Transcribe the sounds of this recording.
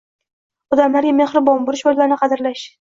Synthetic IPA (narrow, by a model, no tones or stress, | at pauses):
ɒd̪amlaɾɡʲame̞hɾɪbɒnboɾɪʃojlaɾnɪqʰɑd̪ɪɾlaʃ